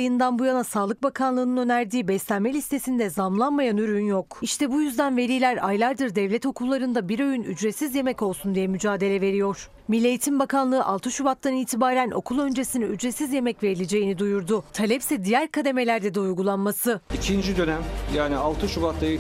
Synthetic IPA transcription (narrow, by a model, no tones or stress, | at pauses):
jɯnd̪anbujanasaːlˠɯk̚bakʰanlˠɯːnɯnø̞næɾd̪iːbɛslʲænmelʲist̪ʰe̞sind̪ɛzamlˠanmajanyɾynjokiʃt̪ʰɛbujyzd̪ænve̞ɾijlʲæɾa̰jlˠaɾd̪ɯɾd̪ɛvlʲɛt̪o̞kʰulˠːaɾɯnd̪abiɾo̞jyny̰d͡ʒɾesizje̞mɛco̞lˠsund̪ijɛmyd͡ʒaːd̪e̞lʲɛve̞ɾijo̞ɾ̥ | milʲːejt̪ʰimbakʰanlˠɯːʔa̰lˠt̪ʰɯʃubat̪lˠaniːt̪ʰibaːɾænʔo̞̰kʰulˠø̞nd͡ʒe̞siniyd͡ʒɾesizje̞mɛcve̞ɾilʲed͡ʒejinid̪ujuɾd̪ʊt̪ʰalʲɛpsɛd̪ijæɾkʰad̪e̞me̞lʲæɾd̪ɛd̪ɛujɡulˠanmasɯicʰind͡ʒid̪ø̞næmjaːnialˠt̪ʰɯʃubat̪lˠajɯ